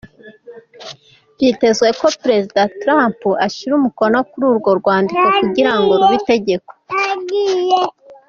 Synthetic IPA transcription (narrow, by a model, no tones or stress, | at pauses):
vite̞zwe̞ko̞pɾe̞zidatɾampuʔaʃiɾumuko̞no̞kuɾuːɾɡo̞ɾɡwaːndiko̞kuɟiɾaŋɡoɾuβite̞ɟe̞ko̞̥ɡij